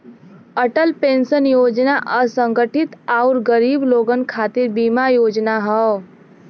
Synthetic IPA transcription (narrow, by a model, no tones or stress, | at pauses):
əʈəlpensənjoːd͡ʒnaʔəsəŋɡəʈʰit̪aʊɾɡəɾiːbloɡənkʰat̪iɾbimajoːd͡ʒnaɦə